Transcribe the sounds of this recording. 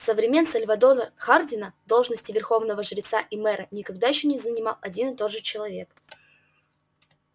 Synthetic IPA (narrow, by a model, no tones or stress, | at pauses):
səvɾʲɪmʲe̞nsəlʲvɐd̪oləxardʲɪnəd̪o̞lˠʐnəsʲtʲɪvʲɪrxo̞vnəvəʐɾʲɪt̪saʔimɛɾʔənʲɪkɐɡ̚d̪ajɪɕːonʲɪzənʲɪmɑ̰lˠɐdʲinɨt̪o̞d̪ʐɨt͡ɕɪlˠɐvʲe̞̰k